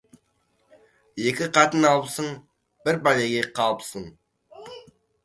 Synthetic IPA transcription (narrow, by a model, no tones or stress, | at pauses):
je̞kʲɪqʰɑt̪ənɑlˠpsəɴ | b̥ɪɾbɑjeɡʲeqʰɑlˠəpsəɴ